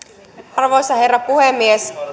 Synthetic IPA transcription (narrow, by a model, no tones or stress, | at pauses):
ɑrʋo̞jsɑherːɑpuhemːies